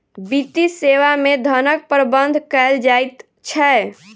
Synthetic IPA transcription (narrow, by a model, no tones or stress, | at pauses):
bit̪iseʋamed̪ʱənək̚pəɾbənd̪ʱkəeld͡ʒajt̪ | t͡ʃʰɛ